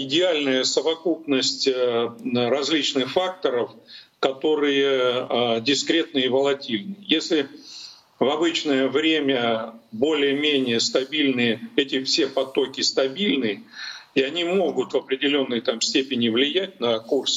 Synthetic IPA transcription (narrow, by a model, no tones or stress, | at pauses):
ɪdʲɪalʲnəjəsəvɐkupnəsʲtʲ | ɾɐzʲlʲit͡ɕnɨxfak̚t̪əɾəfkɐt̪o̞ɾɨjə | dʲɪskɾʲe̞t̪̚nɨivəlˠɐtʲilʲnɨjesʲlʲɪ | vɐbɨt͡ɕnəjəvɾʲemʲəbo̞lʲɪjəmʲenʲɪjəst̪ɐbʲilʲnɨjəɛtʲɪfsʲe̞pɐt̪o̞kʲɪst̪ɐbʲilʲnɨiɐnʲimo̞ɡʊt̪vɐpɾʲɪdʲɪlʲo̞nːəjt̪amsʲtʲepʲɪnʲɪvlʲɪjæt̚ʲnəkurs